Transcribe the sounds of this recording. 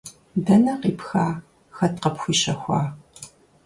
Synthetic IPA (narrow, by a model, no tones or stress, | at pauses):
dɐnɐqiːpxaː | xɐtqɐpxʷiːʃɐxʷɑː